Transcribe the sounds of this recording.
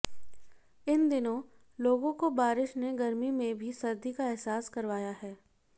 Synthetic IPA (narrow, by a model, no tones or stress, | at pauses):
ɪnd̪ɪnõ | loːɡõkobaːɾɪʃneɡɐɾmimẽbʱisɐɾd̪ikaɛɦsaːskɐɾʋaːjaɦɛː